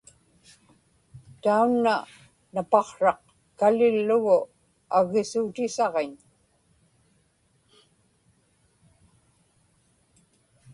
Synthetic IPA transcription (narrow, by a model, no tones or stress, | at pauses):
t̪aunːa | napɑχʂɑq | kalɪlːʊɣʊ | aɣɪsuːt̪ɪsɑʁeɲ